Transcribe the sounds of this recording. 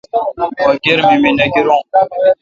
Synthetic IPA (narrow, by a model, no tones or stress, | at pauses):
waɡeɾmiminaɡiɾɔ